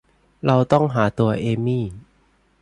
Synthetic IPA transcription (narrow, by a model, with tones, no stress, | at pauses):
ɾa˧wt̪ɔ˥˩ŋɦaː˩˦t̪u˧ɐʔeː˧miː˥˩